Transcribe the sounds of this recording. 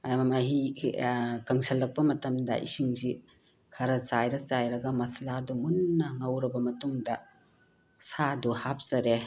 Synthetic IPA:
ajmamaɦi | kɐŋsɐlːɐk̚pɐmɐtɐmdɐ̰ʔḭsiŋzi | kʰɐɾɐzajɾɐzajɾɐɡɐmɐsladumunːɐŋɐwɾɐbɐmɐtuŋdɐ | saduhap̚zɐɾe

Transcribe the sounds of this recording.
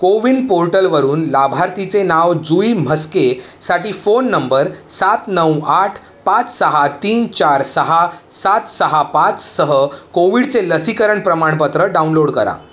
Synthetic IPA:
koʋiːɳɖpoɾʈəlʋəɾuːnlabʱaɾt̪it͡senaʋd͡zuim̤əskesaʈiːfonːəmbəɾsat̪nəwaʈʰ | pãt͡ssəɦat̪iːnt͡ɕaɾsəɦasat̪səɦapãt͡ssəɦəkoʋiɽt͡seləsikəɾəɳpɾəmaɳ̃pət̪ɾəɖaunloɽkəɾa̰

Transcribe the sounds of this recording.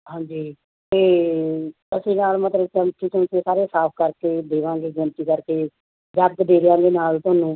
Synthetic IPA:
ɦãːɲd͡ʒiː | t̪eː | əsĩːnaːlmət̪ləbt͡ʃəmt̪iːt̪ʰʊnt̪eːsaːɾeːsaːp̚ʰkəɾkeːd̪eːʋãːŋɡeːɡɪnt̪iːkəɾkeː | d͡ʒəɡd̪eːɾɪjãːd̪eːnaːlt̪ʊːnũː

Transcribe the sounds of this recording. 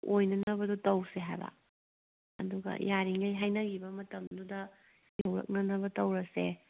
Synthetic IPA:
ojnɐnɐbɐdutɐwseɦajbɐ̰ | ɐ̰duɡɐ̰jʔaɾiŋɡɐjɦajnɐɡibɐmɐtɐmdudɐ | jɐwɾɐ̰k̚nɐnɐβɐtɐwɾɐse

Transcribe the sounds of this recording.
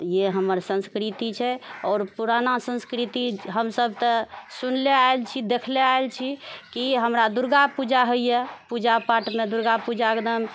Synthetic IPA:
jeɦəməɾsə̃nskɾit̪it͡ʃʰɛɔːɾpuɾanasə̃nskɾit̪iɦəmsəb̚ʱt̪əsunleaelt͡ʃʰid̪ekʰleaelt͡ʃʰikiɦəmɾad̪uɾɡapud͡ʒaɦoijɛpud͡ʒapaʈmẽd̪uɾɡapud͡ʒaɡd̪əm

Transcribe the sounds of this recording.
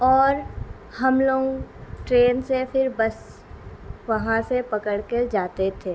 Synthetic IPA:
ɔːɾ | hɐmloːɡʈɾeːnsepʰɪɾbɐs | ʋɐɦãsepɐkəɽked͡ʒaːt̪et̪ʰeː

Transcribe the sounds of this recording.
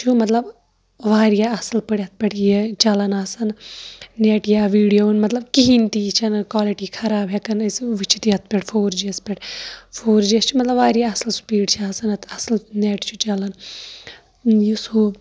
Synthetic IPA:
t͡ʃʰumɐt̪lɐb | ʋaːɾijaːɐslpɐɽʲɐt̪̚pʲeʈjet͡ʃɐlɐnasɐnneʈjaːʋiːɽijoːnmɐt̪lɐbkiɦint̪iːt͡ʃʰɐnkwaːliʈiːkʰɐɾaːbɦekɐnɐsʋit͡ʃʰit̪iɐt̪̚ʰpʲeʈfʰoːɾd͡ʒiɐspʲeʈfʰoːɾd͡ʒiɐst͡ʃʰumɐt̪lɐbʋaːɾijaɐslsu̥piːʈt͡ʃʰaːsɐnɐt̪ʰɐslneːʈt͡ʃʰut͡ʃɐlɐn | jusuːb

